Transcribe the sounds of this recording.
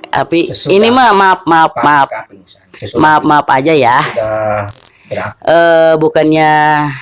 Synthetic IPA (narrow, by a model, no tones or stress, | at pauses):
t̪a̰piinimamap̚map̚map̚ | map̚maapad͡ʒaja | əbukanɲa